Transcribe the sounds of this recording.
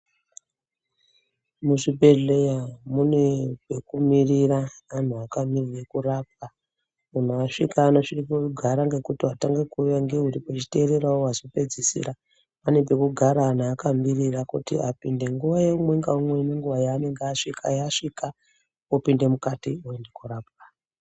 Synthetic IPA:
muʐibʱe̞ɮe̞jamunepe̞kumiriraan̤uakamiriekurap̚a | un̤aːʂḭkaːnoʂirip̬oɡʱaɾaŋɡe̞kutiataŋɡe̞kujaŋɡe̞uɾipot͡ʃi̥te̞ːɾe̞ɾaowazipe̞d͡zisḭɾa | pane̞pe̞kuɡʱaɾaːn̤uːkamirirakutḭapinde̞ŋɡuʋajemweŋɡaumwe̞neŋɡuʋajaːne̞ŋɡeaʂikʰa̰jaʂika | opinde̞mukatioendekuraːp̚a

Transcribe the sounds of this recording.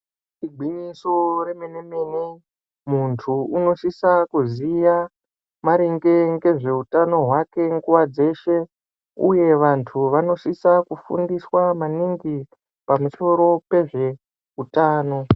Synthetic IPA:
tiɡʱiɲisoreme̞ne̞me̞ne̞ | muntʰuuno̞ʃisakuzija | maɾiŋɡe̞ŋɡe̞ʐe̞utano̞ɦwake̞ŋɡuwad͡ze̞ʃe̞ | ṵje̞ʋantʰuʋano̞ʃisakufṵndiswamaniŋɡi | pamuso̞ɾo̞pe̞ʐe̞ | utaːno̞

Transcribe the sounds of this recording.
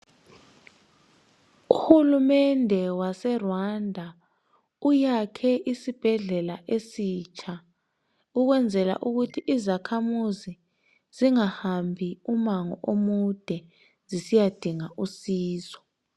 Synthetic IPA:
uhulumɛndʱɛwasɛrwandʱa | ujakʰɛʔisib̥ʱɛɮɛlaʔesiːt͡ʃʼʰa | uɣ̬wɛnd͡zʱɛla̰ʔuɣutʰiʔizakʰamuzi | z̥iŋahambʱiumaŋɔ̰ʔomud̥ʱɛ | zisijad̥ʱiŋaʔusiːzɔ̥

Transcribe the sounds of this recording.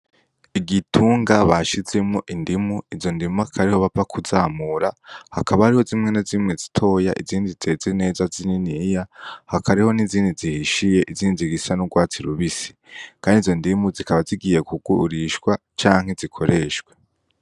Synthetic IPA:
iɡitʰuːŋɡaβaʃize̞mŋo̞ʔindimuizo̞ndimuakʰaɾiho̞βavakʰuzaːmuɾahakʰaβahaɾiho̞zimŋe̞nazimŋe̞zitʰo̞ːjaʔḭziːndizeziine̞ːzazininijahakaɾiho̞niziːndizihiʃije̞ʔiziːndidiɡisanuɡwaːt͡siɾuβisi̥ | kʰaːndizo̞ndimuzikʰaβaziɡije̞kʰuɡuɾiʃkwa | t͡ʃaːŋ̥he̞zikʰo̞ɾe̞ːʃɡwe̞

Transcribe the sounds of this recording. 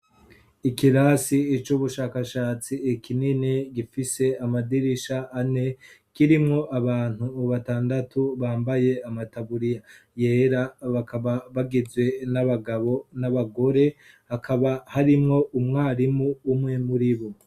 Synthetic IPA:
ikiɾasiːt͡ʃuβuʃaːkaʃaːt͡siːkininiɡifise̞amadiɾiʃaːne̞ | kiɾimŋo̞ʔaβaːn̥huːβataːndatʰuβaːmbaje̞amataβuɾija | je̞ːɾaβakaβaβaɡizɡwe̞naβaɡaβo̞naβaɡo̞ɾe̞ | hakʰaβahaɾimŋo̞ʔumŋaːɾimuumŋe̞muɾiβo

